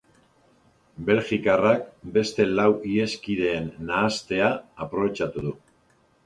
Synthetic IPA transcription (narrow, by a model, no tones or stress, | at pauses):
be̞lʝikarak̚be̞st̪e̞lawie̞skiðe̞ːnːaːst̪e̞aːpɾo̞βe̞t͡ʃat̪uðu